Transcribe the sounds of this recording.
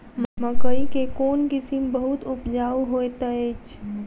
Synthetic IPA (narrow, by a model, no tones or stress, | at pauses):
mməkəikekoːnkɪsimbəɦʊt̪ʊpd͡ʒaːuɦoet̪əet͡ʃ